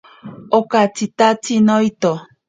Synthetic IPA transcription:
okat͡ʃit̪at͡sinoit̪o

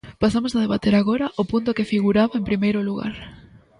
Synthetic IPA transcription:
pasamosaðeβat̪eɾaɣoɾɐʔʊpunt̪ʊkefiɣuɾaβaempɾimejɾʊluɣa̰ɾ

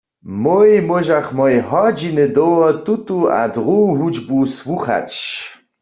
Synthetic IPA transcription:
mojmɔʒaχmɔjɦɔd͡ʒinɨd̪owɔt̪ut̪ʼua̰d̪ʁuːɦud͡ʒbuswuχa̰t͡ʃ

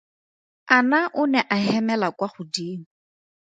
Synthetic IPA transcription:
anaʔʊnɛʔaɦɛmɛlakwaχʊdiːŋ̩

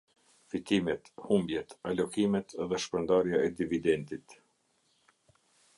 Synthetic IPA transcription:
fit̪imɛt̪humbjɛt̪alɔkimɛt̪ðɛʃpɾənd̪aɾjaɛd̪ivid̪ɛnt̪it̪

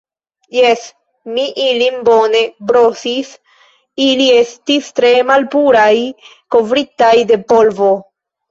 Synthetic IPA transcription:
jes | miʔilimbo̞ne̞bɾosis | ilie̞stistɾe̞malpuɾajko̞vɾitajde̞po̞lvo̞

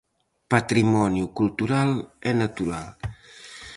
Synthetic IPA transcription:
pat̪ɾimɔnjukult̪uɾalɛnat̪uɾalˠ

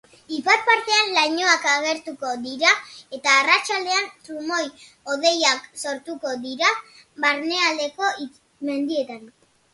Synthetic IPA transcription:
ipat̪̚paɾt̪e̞anlajɲo̞akaɣ̞e̞ɾt̪uko̞d̪iɾae̞t̪aːrat͡ʃald̪e̞ant̪ɾumo̞j | o̞ð̞e̞jakso̞ɾt̪uko̞diɾaβaɾne̞ald̪e̞ko̞i | me̞nd̪ie̞t̪an

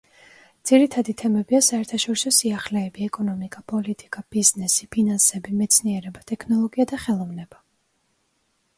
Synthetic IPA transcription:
d̪z̥iɾit̪ʰad̪it̪ʰɛmɛbiasaɛɾt̪ʰaʃɔɾisɔsiaχlɛːbiɛkʼɔnɔmikʼapʼɔlit̪ʼikʼab̥iznɛsipʰinansɛbimɛt̪sʰniɛɾɛbat̪ʼɛkʰnɔlˠɔɡiad̪aχɛlˠɔvnɛb̥a

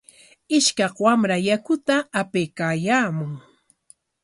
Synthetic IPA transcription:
ɪʃkɑqwamɾajakʊt̪aːpejkaːjaːmʊŋ

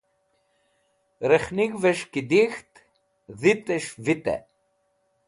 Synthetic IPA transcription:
ɾexniɡveʃkid̪ixt̪ | ðit̪eʃvit̪ḛ

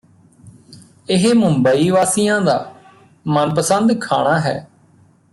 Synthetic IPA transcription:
ɪɦmʊ̃mbəiːʋaːsijãːd̪aː | mənpəsənd̪kʰaːɽ̃aːɦɛ̰ː

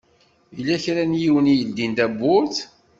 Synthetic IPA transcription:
ilːæçɾænjiwənijəld̪ind̪æbːʊɾθ

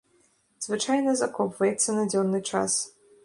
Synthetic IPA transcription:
z̥vɨt͡ʂajnɐzɐkɔpvɐjɛt̪sːɐnɐd͡zʲɔnːɨt͡ʂa̰s

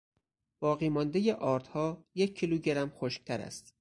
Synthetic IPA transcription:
b̥ɒːɣiːmɒnd̪ejeʔɒːɾt̪hɒːjecʰːiluːɟeɾæmxoʃk̚t̪ʰæɾæ̰st̪

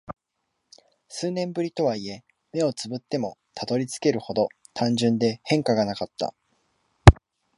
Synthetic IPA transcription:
sɨːnẽ̞mbɯ̟ɾʲit̪o̞βaie̞ | me̞o̞t͡sɨbɯ̟t̪ːe̞mo̞t̪ʰat̪o̞ɾʲit͡sɨ̥ke̞ɾɯ̟ho̞d̪o̞ | t̪ʰãɲ̟d͡ʑɨ̃nd̪e̞hẽ̞ŋkaɡanakat̪ːa̰

